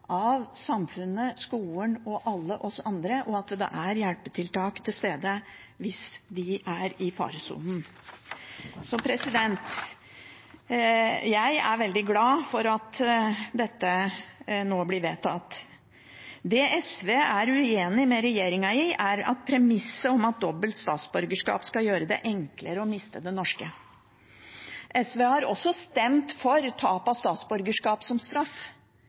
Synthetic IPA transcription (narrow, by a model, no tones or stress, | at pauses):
ʔʔɑʋsɑmfʉnəskuːəɳɔʔɑlːəʔɔsɔʔɑnd̪ɾəʔɔɑt̪d̪ɛ̰ʔæɾjælpət̪ʰɪlt̪ɑːkt̪ʰɪlst̪eːd̪ə | ʋɪsd̪ɪʔæɾɪfɑ̰ːɾsṵːnn̩ | sɔpʰɾɛsɪd̪ɛnt̪ | jæɪæ̰ɾʋɛld̪ɪɡlɑːfɔɾɑt̪d̪ɛt̪ːə | noːblɪʋeːt̪ʰɑ̰t̪ː | d̪ɛɛsʋeːæɾʉeːnɪmɛɾɛjeːɾɪŋɑɪʔæɾɑ̰t̪̚pʰɾɛmɪsːəɔmɑt̪̚d̪ɔbːəlt̪st̪ɑ̰ːt̪sbʉɾɡəʂkɑ̰ːpskɑjøːɾəd̪ɛ̰ʔɛŋkləɾəɔmɪst̪əd̪ɛnɔʂkə | ʔɛsʋeːhɑɾɔ̰sɔst̪ɛmt̪fɔɾt̪ʰɑːpɑst̪ɑːt̪sbʉɾɡəʂkɑːpsɔmst̪ɾɑf